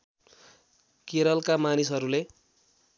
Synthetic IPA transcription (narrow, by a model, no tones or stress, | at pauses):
keɾʌlkamanisʌɾule